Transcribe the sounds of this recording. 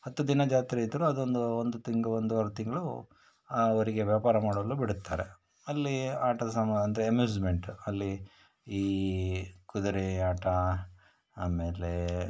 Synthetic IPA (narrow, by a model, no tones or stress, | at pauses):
hɐt̪ːud̪inɐd͡ʒaːt̪iɾɐid̪ːɐɾuɐd̪o̞nd̪uond̪ut̪iŋɡɐond̪uʋaɾut̪iŋɡɐɭu | aoɾiɡeʋjaːpaːɾɐmaːɽɐlːubiɽut̪ːaːɾḛ | ɐlːiaːʈɐsɐmɐnd̪ɐɾeɐmjuːd͡ʒme̞ɳʈɐlːi | iː | kud̪ɐɾeaːʈɐ | aːmeːle